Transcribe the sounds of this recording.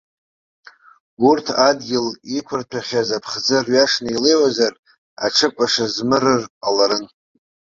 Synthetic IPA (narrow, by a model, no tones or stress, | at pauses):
urtʰadɡʲɪlikʷʰʊrtʰaχʲazapʰχd͡zɨrɥaʂnaile̞jwazar | a̰ʈ͡ʂʰɨpʷʼaʂazmɨɾɨralaɾɨn